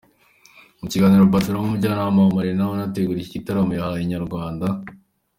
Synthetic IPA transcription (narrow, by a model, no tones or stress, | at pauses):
muciɡaːniɾobatuɾoumuɟanamaomaɾenawonateɡuɾicicitaɾamujahajiɲaɾɡwaːnda